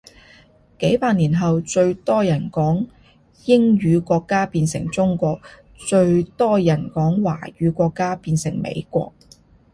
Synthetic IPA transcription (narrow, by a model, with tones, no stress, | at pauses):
ke˨˥jpaː˧t̚niː˨˩nɦɐ˨wt͡ʃɵ˧ɥt̪ɔː˥jɐ˨˩nkɔː˨˥ŋ | jɪ˥ŋjyː˨˧kʷɔː˧kːaː˥piː˧nsɪ̰˨˩ŋt͡sʊ˥ŋkʷɔː˧k̚ | t͡ʃɵ˧ɥt̪ɔː˥jɐ˨˩nkɔː˨˥ŋwa̰ː˨˩jyː˨˧kʷɔː˧kːaː˥piː˧nsɪ˨˩ŋmḛ˨˧jkʷɔ̰ː˧k̚